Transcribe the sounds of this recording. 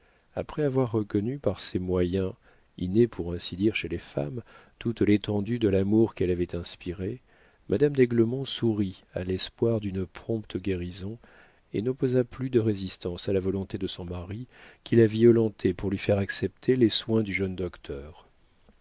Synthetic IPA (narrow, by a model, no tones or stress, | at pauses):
a̰pχɛavwaʁːəkɔnypaʁsɛmwajɛ̃ | ḭnepʰuʁɛ̃sid̪iʁʃelefa̰mt̪ut̪let̪ɑ̃d̪yd̪əlamuʁkɛlavɛt̪ɛ̃spiʁe | mʔad̪amd̪ɛɡləmɔ̃suʁia̰lɛspwaʁd̪ynəpχɔ̃pt̪əɡʲeʁizɔ̃ | enɔpozaplyd̪əʁezist̪ɑ̃salavɔlɔ̃t̪ed̪əsɔ̃maʁikʲilaviɔlɑ̃t̪ʰepuʁlɥifɛʁaksɛp̚t̪ʰeleswɛ̃d̪yʒœnd̪ɔkt̪ʰœːʁ